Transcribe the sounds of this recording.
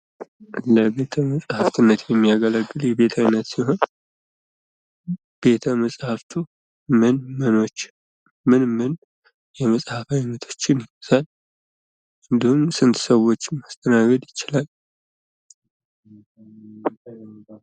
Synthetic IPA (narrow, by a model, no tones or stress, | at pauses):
ləbe̞t̪ʰəməsʼhaft̪ʰɨnːət̪jɛmːijaɡələɡːɨljɛbe̞t̪ʰajnːət̪siɦo̞n | b̥e̞t̪ʰəməsʼhaft̪ʰu | mɨnməno̞t͡ʃː | mɨnmɨn | jɛməsʼhafajnːət̪ʰo̞̥t͡ʃːɪnjɪz̥al | ʔɨnd̪ihumsɨnt̪səwːo̞t͡ʃːmast̪ʰənaɡəd̪jɪt͡ʃːalal